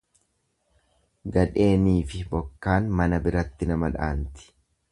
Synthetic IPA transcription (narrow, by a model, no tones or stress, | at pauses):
ɡɐᶑe̞ːniːfɪbɔkːaːnmɐnɐbɪɾɐt̪ːɪnɐmɐᶑa̰ːnt̪ɪ̥